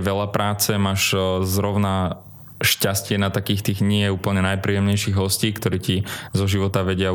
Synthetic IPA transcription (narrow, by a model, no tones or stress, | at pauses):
ʋɛʎapɾaːt͡sɛmaːʃzɾɔʊna | ʃcascɪɛnat̪akiːxt̪iːɣɲɪɛɛuːpl̩ɲɛnajpɾiːjɛmɲɛjʃiːɣɦɔsciːkt̪ɔɾiːcizɔʒiʋɔt̪aʋɛɟɪa